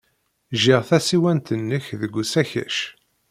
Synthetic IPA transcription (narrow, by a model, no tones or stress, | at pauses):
ʒɪʁθæsiwænt̪ənːəçðəɡʷːusæçæ̰ʃ